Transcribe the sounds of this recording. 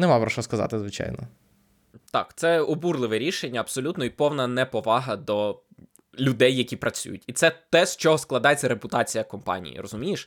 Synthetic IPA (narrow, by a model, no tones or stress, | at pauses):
nɛmɑpɾɔʃɔskɐzɑ̰t̪ɪzʋɪt͡ʃɑ̰jnɔ̰ | t̪ɑ̰kt̪sɛɔburlˠɪʋɛɾʲiʃenʲːɐɐb̥sɔlʲut̪nɔipɔwnɐnɛpɔʋɑɦɐd̪ɔ | lʲʊd̪ɛjːɐkʲipɾʔɐt͡sʲṵjʊ̰tʲit̪sɛt̪ɛst͡ʃɔɦɔsklˠɐd̪ɑjet͡sʲːɐɾepʊt̪ɑt͡sʲijɐkɔmpɑ̰nʲḭjḭrɔzʊmʲijeʃ